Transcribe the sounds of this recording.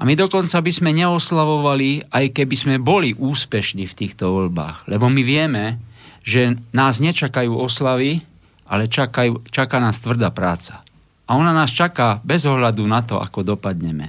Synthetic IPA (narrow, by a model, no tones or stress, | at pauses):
amid̪ɔkɔnt͡sabizmɛɲɛɔslaʋɔʋaliajkɛbizmɛbɔliʔuːspɛʃniːft̪iːxt̪ɔʋɔlba̰ːɣlɛbɔmiʋɪɛmɛʒɛnaːzɲɛt͡ʃakajuːɔslaʋi | ʔa̰lɛt͡ʃakajuːt͡ʃakaːnaːst̪ʋr̩d̪aːpɾaːt͡sḁ | aɔnanaːst͡ʃakaːbɛzɔɦlad̪unat̪ɔʔa̰kɔd̪ɔpad̪ɲɛmɛ̰